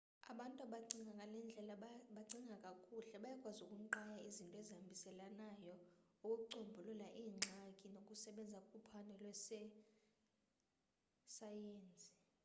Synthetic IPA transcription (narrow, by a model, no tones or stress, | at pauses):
a̰ɓantʼuaɓaǀiŋʱaŋkʼalɛnd͡ɮʱɛlaɓaǀiŋɡʱakʼakʼuɬɛɓajakʼwazukʼuǃajaizintʼɔɛzambʱisɛlanajɔukʼuuǀombʱululaʔiːŋ͡ǁʱakʼinokʼusɛɓɛnd͡zʱakʼupʰanɛlwɛsɛ | sajeːnt͡sʼi̥